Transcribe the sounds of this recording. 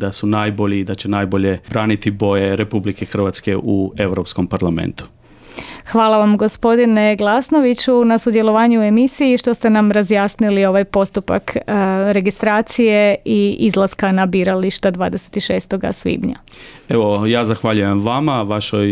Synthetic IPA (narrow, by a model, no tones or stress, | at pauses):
d̪asunaːjboʎid̪at͡ɕenajbo̞ʎe̞bɾaːnit̪ibo̞jeɾe̞publikexr̩ʋat̪ske̞ʔue̞ʋɾopskompaɾlamḛnt̪u̥ | xʋaːlˠaʋamɡo̞spo̞d̪ine̞ɡlˠasno̞ʋit͡ɕunasud̪je̞lo̞ʋaːɲue̞misijiʃt̪o̞st̪e̞namɾazjaːsnilio̞ʋajpo̞st̪upa̰kɾe̞ɡist̪ɾaːt̪sije̞iizlˠaskanabiːɾaliʃt̪ad̪ʋaːd̪ese̥t̪iʃeːst̪o̞ɡa̰sʋḭːbɲa̰eʋojaːzaxʋaʎujemʋamaʋaʃoj